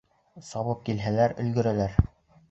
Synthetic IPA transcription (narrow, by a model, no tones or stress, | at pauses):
sɑβɤp̚kilɦælæɾɵ̆lɡɵ̆ɾælæɾ